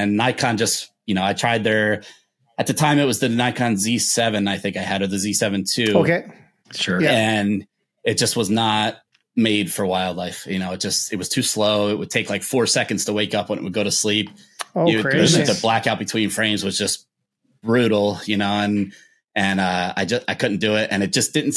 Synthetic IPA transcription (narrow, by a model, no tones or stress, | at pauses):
ɨ̃nːaɪkʰɑ̃nd͡ʒʌstjɨnoʊaɪtʰɹ̥aɪd̪̚ðə˞ | ɨt̪̚ðɨtʰãɪ̃mɨt̚wʌzðɨnaɪkʰɑ̃nzisɛvɨ̃naɪθɪ̃ŋkaɪɨɾə˞ðɨzisɛvɨ̃ntʰʉoʊkeɪ | ʃʊɹjɨ̃n | ɨt̚d̥ʒ̥ʌst̚wʌznət̚ | meɪd̥fə˞waɪlˠdˡlaɪfjɨnoʊɨt̚d̥ʒ̥ʌstɨt̚wʌz̥tʰʉsloʊɪt̚wɨd̚tʰeɪklaɪkfɔɹsɛkɨ̃n̩dz̥tʰəweɪkʌpwə̃nɨ̰ʔ̚wɨ̰d̚ɡoʊɾɨslip̚oɨɹʌɨblækaʊbɨtʰw̥ĩnfɹ̥ẽɪ̃mzwʌzd͡ʒʌs | b̥ɹʉɾl̩ˠjɨnoʊɨ̃n | ɨ̃nʌa̰ɪd͡ʒʌstaɪkʰʊdⁿn̩d̥ɨɪt̚ʔɨ̰̃ñɨt̚d̥ʒ̥ʌsd̥ɪdⁿn̩